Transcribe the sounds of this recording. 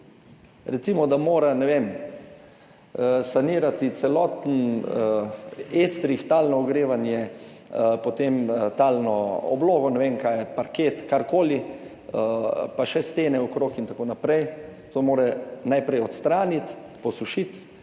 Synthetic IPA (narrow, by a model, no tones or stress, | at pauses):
ɾɛt̪simɔd̪amoːɾanɛʋem | saniːɾat̪it̪sɛlɔːt̪n̩ | est̪ɾixt̪aːlnɔɔɡɾeːʋanjɛ | pot̪emt̪aːlnɔɔ̰bloːɡɔnɛʋeːnkaːjɛpaɾkeːt̪kaɾkoːli | əpaʃɛst̪eːnɛɔkɾoːkint̪akoːnapɾɛjt̪oːmoːɾɛnajpɾɛjɔt̪st̪ɾaːnit̪ | pɔsuʃit̪